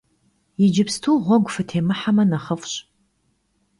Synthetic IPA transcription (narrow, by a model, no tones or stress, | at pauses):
jɪd͡ʒɪpstʰuːʁʷɔɡʷʊfɨtʰeːmɨħamɐnɐχəfɕ